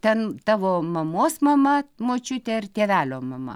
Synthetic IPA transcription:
t̪ʲɛnt̪ɑːʋoːmɐmoːsmɐmɐmoːt͡ʃʲʊt̪ʲeːɪrt̪ʲeːʋʲæːlʲoːmɐmɐ̰

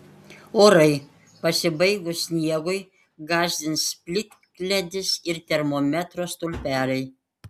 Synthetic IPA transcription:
oːɾɐɪ | pɐsʲɪbɐɪɡʊsʲsʲnʲiɛɡʊj | ɡɑːzʲd̪ʲɪnsʲpʲlʲɪt̪ʲ | kʲlʲɛd̪ʲɪsɪɾt̪ʲɛɾmoːmʲæt̪ɾoːst̪ʊlʲpʲæːlʲɛɪ

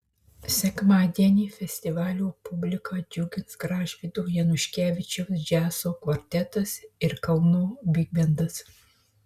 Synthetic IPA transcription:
sʲɛkmɑːd̪ʲiɛnʲiːfʲɛsʲt̪ʲɪʋɑːlʲuːpʊbʲlʲɪkʰɑd͡ʒʲʊɡʲɪnsɡɾɑːʒʲʋʲiːd̪oːjɛnʊʃʲkʲæːʋʲɪt͡ʃʲɛʊsd͡ʒʲæːsoːkʋɐɾʲt̪ʲɛt̪ɐsɪɾkɐlˠnuːbʲiːɡ̚bʲɛnd̪ɐs

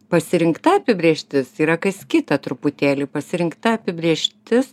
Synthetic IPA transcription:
pɐsʲɪɾʲɪŋkt̪ɐɐpʲɪbʲɾʲiɛʃʲt̪ʲɪsiːɾɐkɐskʲɪt̪ɐt̪ɾʊpʊt̪ʲæːlʲiːpɐsʲɪɾʲɪŋkt̪ɐɐpʲɪbʲɾʲeɛʃʲt̪ʲɪs

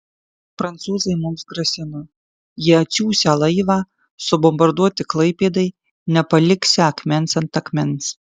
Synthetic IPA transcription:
pɾɐnt̪suːzɐɪmʊmsɡɾɐsʲɪnʊ | jɪɐsʲuːsʲæːlˠɐɪʋɑː | sʊbɔmbɐɾd̪uɔt̪ʲɪklˠɐɪpʲeːd̪ɐɪ | nʲɛpɐlʲɪksʲɐkmʲɛnˑsɐnt̪ɐkmʲɛns

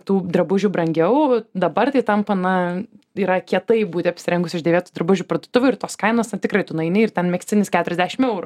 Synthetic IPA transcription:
t̪uːd̪ɾɐbʊʒʲubrɐŋʲɡʲɛʊd̪ɐbɐrt̪ɐɪt̪ɐmpɐnɐ | iːɾɐkʲiɛt̪ɐɪbuːt̪ʲɪɐpʲsʲɪɾʲɛŋɡʊsʲɪʒʲd̪ʲeːʋʲeːt̪uːd̪ɾɐbʊʒʲʊːpɾɐd̪oːt̪ʊʋʲʊɪrt̪oːskɐɪnoːsnɐt̪ʲɪkrɐɪt̪uːnʊɐɪnʲɪɪrt̪ʲɛnmʲɛksʲt̪ʲɪnʲɪskʲæːt̪ʊɾʲɛzdʲæːʃʲɪmɛʊɾʊ

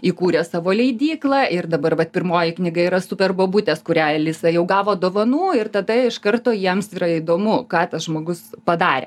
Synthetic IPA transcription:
iːkuːɾʲɛsɑːʋoːlʲɛɪd̪ʲiːklˠɑʔɪrd̪ɐbɐrʋɐt̪̚pʲɪrmoːjɪknʲɪɡɐiːɾɐsʊpʲɛrboːbʊt̪ʲeːskʊɾʲæːlʲɪsɐjɛʊɡɑːʋoːd̪oːʋɐnuːɪrt̪ɐd̪ɐɪʃkɐrt̪oːjiɛmsiɾɐid̪oːmʊkɑːt̪ɐsʒmoːɡʊspɐd̪ɑːɾʲḛː

